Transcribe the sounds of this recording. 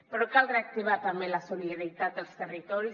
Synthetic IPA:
pəɾɔkalˠreək̚t̪iβ̞at̪ambelasuliðəɾit̪at̪̚əlˠst̪ərit̪ɔɾi

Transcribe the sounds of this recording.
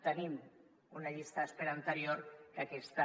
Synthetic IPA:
t̪enim | unaʎist̪aːspeɾaːnt̪eɾioɾkakest̪a

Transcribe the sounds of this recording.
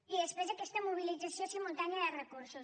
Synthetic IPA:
iðespɾezɐkɛst̪əmuβ̞ilidd͡zasjosemũnt̪aɲaðərəkuɾsus

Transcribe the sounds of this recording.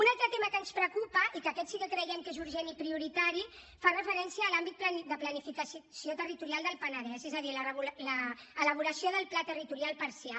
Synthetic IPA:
unalˠt̪ɾət̪eməkənspɾəkupəʔikəkɛt̪siɣəkɾəjeŋkezuɾʒenipɾiuɾit̪aɾi | farəfəɾɛnsjiəːlambit̪̚pld̪əplənifikəssiot̪ərit̪uɾialˠd̪əlˠpənəðɛzɛzəðilərəβuləːləβ̞uɾəsjoðəlˠplat̪ərit̪uɾialˠpəɾsia

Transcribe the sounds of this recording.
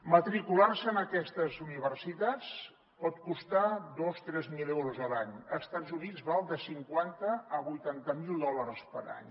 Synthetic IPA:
mət̪ɾikularsəːnəkɛst̪əzuniβ̞ərsit̪at͡s | pɔt̪kust̪ad̪ost̪ɾɛzmilɛwɾuzəlaɲəst̪ad͡zunidd͡zβalˠd̪əsiŋkwant̪əːβujt̪ant̪əmilˠd̪ɔləɾspəɾa̰ɲ

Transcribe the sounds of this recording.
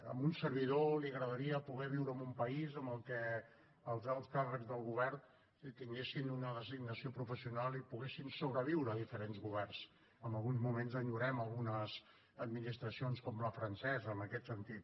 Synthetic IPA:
ə̰munsərβ̞iðoliəɣɾəðəɾiəpuɣɛβ̞iwɾəmumpəizəmbəlˠkɛ | əlˠzalˠskarəɡzðəlˠɣuβɛrn | t̪iŋɡesinunəðəziɡnəsiopɾufəsiunalˠipuɣesinsoβɾəβ̞iwɾəðifəɾenzɣuβɛrs | əmbəlˠɣunzmumenzəɲuɾɛməlˠɣunəz | əd̪minist̪ɾəsionskɔmləfɾənsɛzəːməkɛt̪sənt̪it̪̚

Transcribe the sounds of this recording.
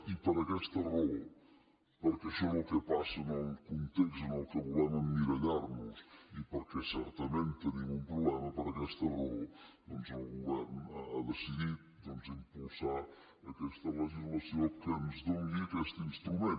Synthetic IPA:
ipəɾəkɛst̪ərɔlˠ | pəɾkɛʃɔnəlˠkəpasənəlˠkunt̪eksənəlˠkəβulɛməmːiɾəʎarnusipəɾkɛsɛɾt̪əment̪ːənimumpɾuβlɛməpəɾəkɛst̪ərɔlˠd̪ɔnzəlˠɣuβɛrnaaðəsiðit̪̚d̪ɔnzimpulˠsa | əkɛst̪ələʒizləsiokəmzd̪əwiəkɛst̪inst̪ɾumen

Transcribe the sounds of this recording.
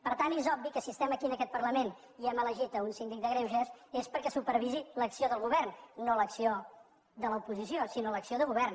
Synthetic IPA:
pəɾt̪anezɔbbikəsiəst̪ɛməkiənəkɛt̪̚pərləmen | iɛmələʒit̪əunsind̪ik̚d̪əɣɾewʒɛsespəɾkɛsupəɾβiziləksioðəlˠɣuβɛrnːoləksio | ðələupuzisjosinoləksioðəɣuβ̞ɛrn

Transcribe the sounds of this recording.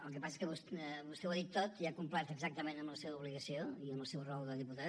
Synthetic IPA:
əlˠkəpasə̥skəβusβust̪ɛwaðit̪ːot̪iakumplat̪əɡzak̚t̪əmẽnəmbləseβəuβliɣəsioiəmbəlˠsewrɔlˠd̪əðiput̪a

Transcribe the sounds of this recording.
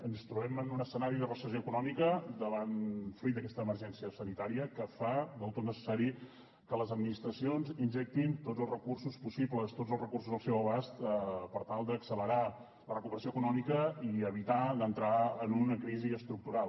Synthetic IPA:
ənst̪ɾuɛmənunəsənaɾiðərəsəzjoəkunɔmikəd̪əβanfɾuit̪̚d̪əkɛst̪əːməɾʒɛnsiəsənit̪aɾiəkəfad̪əlˠt̪ot̪nəsə̥saɾi | kələzəd̪minist̪ɾəsionzinʲʒɛk̚t̪int̪odzəlˠrəkursuspusipləst̪odzəlˠzrəkurs̬uzðəlˠsɛwəβ̞ast̪əpəɾt̪alˠd̪əːksələɾa | lərəkupəɾəs̬ioəkunɔmikəiəβ̞it̪aðənt̪ɾaənunəkɾiziəst̪ɾuk̚t̪uɾal

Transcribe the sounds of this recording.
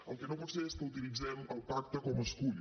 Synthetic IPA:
əlˠkenopunseeskəut̪ilid͡zɛməlˠpak̚t̪əkɔməskuʎ

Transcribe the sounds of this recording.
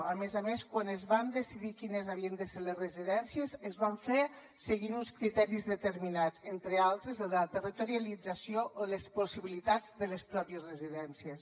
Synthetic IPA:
amezameskwanezβand̪əsiðikinezaβ̞iənd̪əseɾlezreziðɛnsiəzezβaɱfe | seɣinunskɾit̪ɛɾizðət̪əɾminad͡zent̪ɾealˠt̪ɾezlət̪ərit̪oɾialid͡zasioʔoləsposiβilit̪ad͡zðələspɾɔpiəzrəziðɛnsies

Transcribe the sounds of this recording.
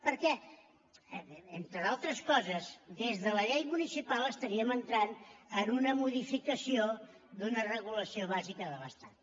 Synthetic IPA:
pəɾkɛ | ent̪ɾəðalˠt̪ɾəskɔzəzd̪ezðələʎejmunisipalˠəst̪əɾiəmənt̪ɾanənunəmuðifikəsio | d̪unərəɣuləsioβ̞azikəðəβəst̪at̪

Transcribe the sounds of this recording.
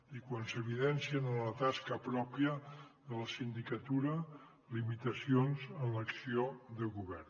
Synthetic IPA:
ikwansəβ̞iðɛnsiənənlət̪askəpɾɔpiəðələsind̪ikət̪uɾə | limit̪əsionzənləksioðəɣuβɛr

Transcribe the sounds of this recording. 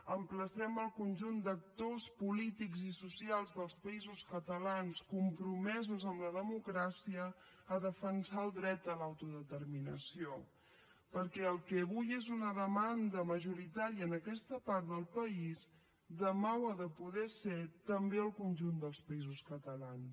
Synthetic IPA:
əmpləsɛməlˠkunʲʒund̪ək̚t̪ospulit̪ikzisusialˠzðəlˠspəizuskət̪əlanskumpɾumɛzuzəmləðəmukɾasiəː | ðəfənsaəlˠd̪ɾɛt̪̚əlawt̪uðət̪əɾminə̰sio | pəɾkɛəlˠkɛβujezunəðəmand̪əməʒuɾit̪aɾiəːnəkɛst̪əpaɾt̪d̪əlˠpəiz | d̪əmawəðəpuðɛset̪əmbeəlˠkunʲʒund̪əlˠspəizuskət̪əlans

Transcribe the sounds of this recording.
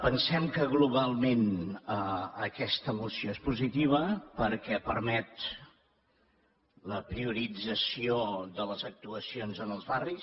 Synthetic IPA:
pənsɛmkəɣluβalˠmenəəkɛst̪əmusioespuzit̪iβ̞əpəɾkɛpəɾmɛt̪ | ləpɾiuɾid͡zəsioðələzək̚t̪uəsionzənəlˠzβaris

